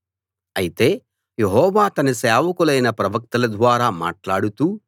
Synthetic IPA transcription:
ɐjit̪e̞ː | jeɦɔːʋaːt̪ɐniseːʋɐkulɐjnɐpɾɐʋɐk̚t̪ɐlɐd̪ʋaːɾaːma̰ːʈlaːɽut̪uː

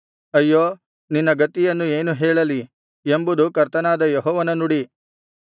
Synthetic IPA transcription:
ɐjːoː | ninːɐɡɐt̪ːijɐnːue̞ːnuɦɛːɭɐli | embud̪ukɐɾt̪ɐnaːd̪ɐjɔɦɔːʋɐnɐnuɽi

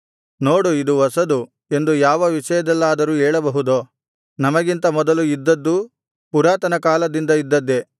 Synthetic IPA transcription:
no̞ːɽuid̪uʋɐsɐd̪u | e̞nd̪ujaːʋɐʋiʂɐjɐd̪ɛlːaːd̪ɐɾuːɛːɭɐbɐɦud̪oː | nɐmɐɡint̪ɐmɔd̪ɐluid̪ːɐd̪ːu | puɾaːt̪ɐnɐkaːlɐd̪ind̪ɐid̪ːɐd̪ːe̞

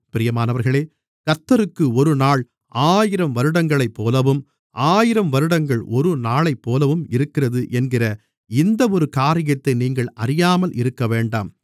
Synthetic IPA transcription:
pɪɾɪjɐmaːnɐʋɐɾɣɐɭeː | kɐt̪ːɐɾɯkːɯɔɾɯnaːɭ | aːjɪɾɐmʋɐɾɯɽɐŋɡɐɭɐɪpːoːlɐʋɯm | ʔaːjɪɾɐmʋɐɾɯɽɐŋɡɐɭɔɾɯnaːɭɐɪpːoːlɐʋɯmɪɾɯkːɪrɐðɯʔɛnɡɪrɐ | ɪnd̪ɐɔɾɯkaːɾɪjɐt̪ːɐɪniːŋɡɐɭɐɾɪjaːmɐlʔɪɾɯkːɐʋeːɳɖa̰ːm

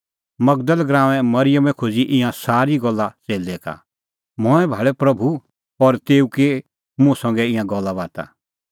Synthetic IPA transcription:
mɐɡ̚d̪əlɡɾãːʋɛ̃mɐɾɪjəmɛ̃kʰoːd͡ziʔɪ̃jãsaːɾiɡɔlːat͡seːld̪ɛka̰ | mɔɛ̃bʱaːɭɛpɾɐbʱu | ɔɾt̪eːuke | mũsɐ̃ŋ̆ɡɛɪ̃jãɡɔlːaʋaːt̪a̰

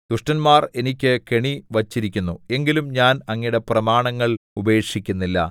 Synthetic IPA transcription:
d̪̥uʂʈɐnmaːre̞nikʲːɨke̞ɳiʋɐt͡ɕːiɾikʲːunːue̞ŋɡilumɲaːnɐŋːiɽe̞prɐmaːɳɐŋːɐɭube̞ːʂikʲːunːilːɐ̰

